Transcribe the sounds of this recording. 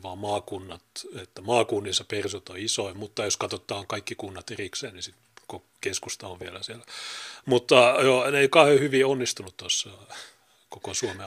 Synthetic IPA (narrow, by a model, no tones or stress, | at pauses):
ʋɑːmɑːkunːɑt̪et̪ːæmɑːkunːisɑpersut̪oisoimut̪ːɑjoskɑt̪ot̪ːˑɑːŋkɑikːikunːɑt̪erikseːnnisit̪ko | keskust̪ɑoʋʋielæsielæmut̪ːɑjoneikɑhohyʋionːist̪unut̪t̪osːɑ | kokosuome